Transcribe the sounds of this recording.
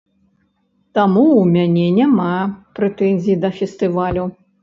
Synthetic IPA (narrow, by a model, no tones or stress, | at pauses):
t̪amuumʲanʲɛnʲamapɾɛt̪ɛnʲzʲijid̪ɐfʲɛst̪ɨvalʲu